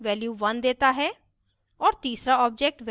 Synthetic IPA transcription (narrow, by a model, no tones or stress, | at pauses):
ʋɛːljuːʋənd̪eːt̪aːɦɛː | ɔːɾt̪iːsɾaːɔːp̚d͡ʒɛːk̚ʈʋ